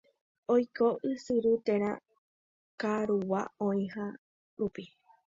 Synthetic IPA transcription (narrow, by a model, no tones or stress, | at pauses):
ojkoʔɨsɨɾut̪eɾ̃ã̰ | kaɾuwaõĩɦa | ɾupi